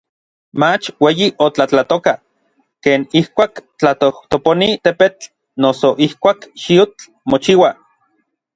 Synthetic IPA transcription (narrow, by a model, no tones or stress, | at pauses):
mat͡ʃweːjiʔot͡ɬat͡ɬat̪oka | keːnihkʷaːkt͡ɬat̪oht̪oponit̪epet͡ɬ | nosoʔihkʷaːkʃiut͡ɬ | mot͡ʃiwa